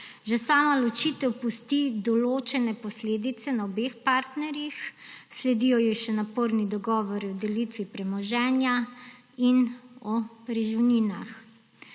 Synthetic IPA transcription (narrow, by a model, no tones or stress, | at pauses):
ʒɛsaːmalɔt͡ʃiːt̪ɛwpust̪id̪ɔloːt͡ʃɛnɛpɔsleːd̪it̪sɛnaɔbeːxpaːɾt̪nɛɾjixslɛd̪iːjɔjiʃɛnapoɾnid̪ɔɡɔːʋɔɾiɔd̪ɛlit̪ʋipɾɛmɔʒɛːnja | inɔpɾɛʒiniːna̰x